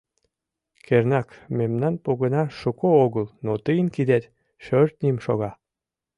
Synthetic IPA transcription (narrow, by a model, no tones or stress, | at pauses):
kernɑkmemnɑnpoɣənɑʃukooɣəlnot̪əjənkid̪et̪ | ʃørt̪̚nʲimʃoɣɑ